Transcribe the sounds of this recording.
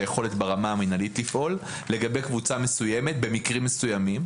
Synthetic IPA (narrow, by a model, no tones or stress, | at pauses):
jeχo̞le̞tbeʁamaːminalitːifʔo̞lː | e̞ɡabe̞jkvut͡same̞sujeme̞tbe̞mikʁimːesujamim